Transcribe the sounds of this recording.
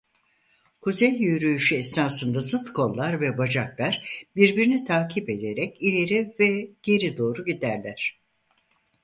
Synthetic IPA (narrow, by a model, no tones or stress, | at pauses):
kʰuzɛjːyjɾyjyʃyɛsnaːsɯnd̪azɯt̪kʰo̞nˠlːˠaɾvɛbad͡ʒaklˠaɾbiɾbiɾinit̪ʰaːcʰipe̞d̪e̞ɾɛcilʲe̞ɾivɛɟ̥e̞ɾid̪o̞ːɾuɟid̪æɾlʲæɾ̝̥